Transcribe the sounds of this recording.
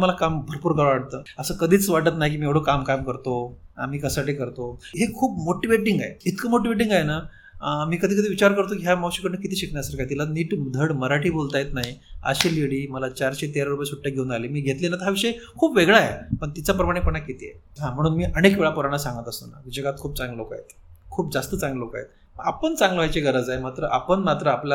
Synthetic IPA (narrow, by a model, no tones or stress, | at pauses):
məlakambʱəɾpuːɾɡaɭʋaɽt̪əːəsəːkəd̪ʱiːt͡sʋaʈət̪naɦik̬iːmiːeɽ̤okamkamkəɾt̪o | a̰miːkəsaʈiːkəɾt̪oɦekʰuːp̚moʈiʋeʈiŋɡaɦeit̪kəmoʈiʋeʈ̬iŋɡajena | miːkəd̪ʱiːkəd̪ʱiːʋit͡ɕaɾkəɾt̪okiɦamawɕikəɾnəkit̪ʰiːɕikɳjasaɾkajet̪ilaniːʈd̪ʱəɽməɾaʈiːbolt̪ajet̪naɦiə̰ɕeleɽiːməlat͡ɕaɾɕet̪eɾaɾupajesuʈʰːjaɡʱeũnd̪aliːmiːɡʱet̪linat̪əɦjaʋiʂəjekʰuːpʋeɡɭaepəɳt̪it͡sapɾəmaɽ̃epəɳakit̪iḛɦãm̤əɽ̃uːnmiːʔəɽ̃ekʋeɭapuɾaɽ̃asãŋɡət̪əst̪ona̰kid͡ʑəɡat̪̚kʰuːp̚t͡sãŋɡloka̰ɦḛt̪kʰuːp̚d͡zast̪ət͡sãŋɡloka̰jḛt̪̚ | pəɳapəɳt͡sãŋɡləʋajt͡ɕeɡəɾəd͡zaemat̪ɾəʔapəɳmat̪ɾəapla